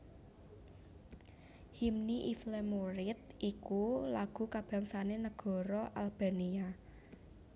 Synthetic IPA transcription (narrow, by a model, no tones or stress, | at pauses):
himniʔiflemuɾɪt̪̚ikulaɡ̥ṳkab̥ä̤ŋsanenəɡ̥ɔ̤ɾɔʔalb̥a̤nia